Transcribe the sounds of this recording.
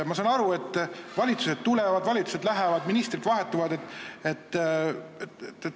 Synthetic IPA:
mɑs̬ɑːnɑɾue̞t̪ːˑvɑlʲit̪suset̪̚t̪ule̞vɑd̪vɑlʲit̪su̥se̞d̪læɦɛvɑd̪minist̪rid̪vɑɦe̞t̪ːˑuvɑd̪et̪ːˑet̪ː | ee

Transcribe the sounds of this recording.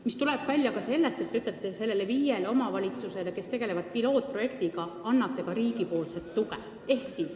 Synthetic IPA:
mist̪uleb̥vælʲjɑkɑse̞lːe̞st̪e̞t̪ːeyt̪ːˑet̪ːˑe̞se̞lːe̞leviːjeleo̞mɑvɑlʲit̪suse̞leke̞st̪e̞ɡe̞le̞vɑd̪̥̚pilo̞ːt̪̚pro̞je̞kt̪iɡɑɑnːɑt̪ˑːe̞kɑɾiːɡipo̞ːlset̪ːukḛ | e̞hksis

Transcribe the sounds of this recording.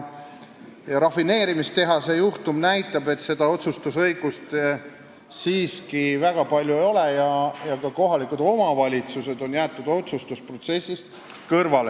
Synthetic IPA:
ɾɑfine̞ːɾimist̪e̞ɦɑse̞juht̪umnæjt̪ˑːɑbe̞t̪se̞d̪̥ɑo̞t̪sust̪usɤjɡ̥ust̪ | siːskivæɡ̥ɑpɑlʲjuejo̞lejɑjɑkɑko̞ɦɑlikud̪o̞mɑvɑlʲit̪suse̞d̪o̞njæːt̪ːˑud̪̥o̞t̪sust̪uspro̞t̪se̞sʲːist̪ | kɤrvɑle

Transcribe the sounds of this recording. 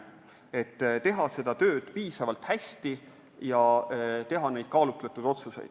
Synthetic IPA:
e̞t̪ːt̪e̞ɦɑse̞d̪̥ɑt̪ø̞ːd̪̥piːsɑvɑlt̪hæsʲt̪i | jɑt̪e̞ɦɑne̞jd̪̥̚kɑːlut̪lɑt̪ːˑud̥̪o̞t̪suse̞̰jd̪̥

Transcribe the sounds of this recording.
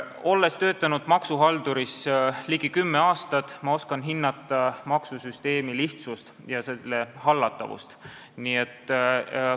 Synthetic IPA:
o̞lːe̞st̪ø̞ːt̪ːˑɑnud̪̥mɑksuɦɑld̪̥uɾisliɡikymːeɑːst̪ɑt̪ːˑmɑo̞skɑnɦinːɑt̪ːˑɑmɑksusyst̪e̞ːmiliht̪sust̪jɑselːehɑlːɑt̪ːˑɑ̰vṵst̪ | niet̪ːˑ

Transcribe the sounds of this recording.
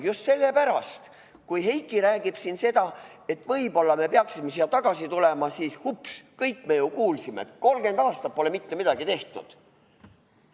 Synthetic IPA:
just̪se̞lːepæɾɑst̪ | kujɦe̞jkːˑiɾæːɡ̥ib̥sinse̞d̪̥ɑe̞t̪ːˑvɤjbo̞lːɑme̞peɑksimesiɑt̪ɑɡ̥ɑsit̪ulemɑsiːshupskɤjkːme̞jukuːlsimḛet̪ko̞lɡe̞nd̪ɑːst̪ɑt̚pole̞mit̪ːemid̪̥ɑɡ̥it̪e̞ht̪ṵd̪̥

